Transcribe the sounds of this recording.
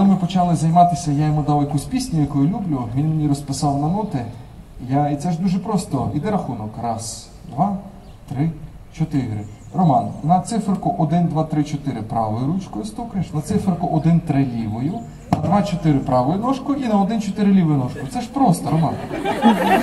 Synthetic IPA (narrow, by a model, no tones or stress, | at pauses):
kɔlˠɪmɪpɔt͡ʃɑlˠɪzɐjmɑt̪ɪsʲɐjajɔmʊd̪ɑwjɐkusʲpʲisʲnʲʊjɐkɔjʊlʲublʲʊʋʲinmenʲiɾɔspɪsɑwnɐnɔt̪ɪ | jait̪sɛʒd̪uʒɛpɾɔst̪ɔid̪ɛɾɐxunɔkɾɑz̥ | d̪ʋɑ | t̪ɾɪ | t͡ʃɔt̪ɪɦɾɪ̰ | rɔmɑnnɐt̪sɪfɾɪkʊʔɔd̪ɪnd̪ʋɑt̪ɾɪt͡ʃɔt̪ɪɾɪpɾɑ̰ʋɔjʊɾut͡ʃkɔjʊst̪ɔkɪʃnɐt̪sɪfɾɪkʊʔɔd̪ɪnt̪ɾɪlʲiʋɔjʊ | nɐd̪ʋɑt͡ʃɔt̪ɪɾɪpɾɑʋɔjʊnɔʃkʊʔinɐɔd̪ɪnt͡ʃɔt̪ɪɾɪlʲiʋɔjʊnɔʃkʊt̪sɛʃpɾɔst̪ɔɾɔmɑn